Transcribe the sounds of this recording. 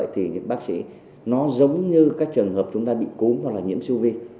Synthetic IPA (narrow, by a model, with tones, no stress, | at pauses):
jt̪ʰi˨˩ɲɨ̰˧˥ŋɓaː˦˥k̚sḭ˧˥ | nɔ˨˦zə˨˦wŋ͡mɲɨ˧kaː˦˥k̚t͡ɕɨ˨˩əŋɦəː˨˩p̚t͡ɕʊ˨˦ŋ͡mt̪aː˧ɓḭ˧˨ku˨˦mɦwa˨˩k̚laː˨˩ɲḭ˧˥msi˧wvi˧